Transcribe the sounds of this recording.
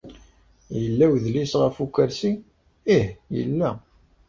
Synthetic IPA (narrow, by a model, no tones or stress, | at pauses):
jəlːæwðlisʁəfukːəɾsi | ihjə̰lːæ